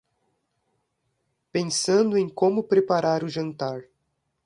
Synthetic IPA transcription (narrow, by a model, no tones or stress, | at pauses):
pẽsɐ̃nd̪ʊẽj̃kõmʊpɾepaɾaɾʊʒɐ̃nt̪aɾ